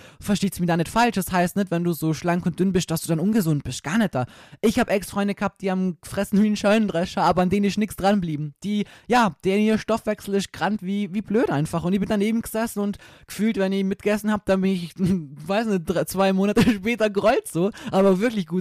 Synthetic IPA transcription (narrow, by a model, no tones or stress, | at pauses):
fɛɐʃteːtstmiɐdaːnɪtfalʃd̥ɛshaɪstnɛtvɛnduːzoːʃlaŋkʊnt̚d̥ʏnbɪst̚d̥asd̥uːdanʔʊnɡəzʊnt̚b̥ɪst̚ɡ̥aːɐnɛt̚d̥aːʔɪçhaːbʔɛksfʁ̥ɔʏndəɡ̥əhaːp̚d̥iːhaːm̥əfʁ̥ɛsn̩viːn̩ʃœːnəndʁɛʃɐaːbɐandeːnɪsnɪksd̥ʁanbliːbm̩d̥iːjaːd̥eːɐniːʃtɔfv̥ɛksl̩ɪst̚ɡ̥ʁantv̥iːviːbløːtʔaɪnfaχʊntɪçb̥ɪndaneːbm̩ɡ̥əzɛsn̩ʊntɡ̥ə̥fyːltvɛnɪçmɪt̚ɡ̥əɡɛsn̩haːb̚d̥anbɪnɪçvaɪsnɪd̥ʁat͡sv̥aɪmoːnatəʃpɛːtɐɡəʁɔʏltz̥oːʔaːbɐvɪɐklɪçɡ̥uːt